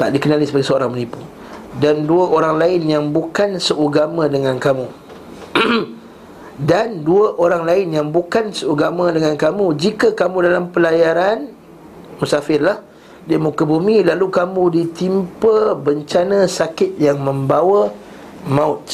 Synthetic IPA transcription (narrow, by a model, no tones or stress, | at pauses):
t̪a̰ʔdikənalisəbaɡɛsəoɾaŋmənipu | danduaʔoɾaŋlaɪnjaŋbukansəʔuɡamãdəŋãnkamũ | danduəʔoɾaŋlaɪnjaŋbukansəuɡamãdəŋãnkamũd͡ʒikakamũdalampəlajaɾan | musafɪrlah | diamukəbumĩlalukamũdit̪impəbəɲt͡ʃanãsakɪt̪̚jaŋmə̃mbawa | mãʊt̪̚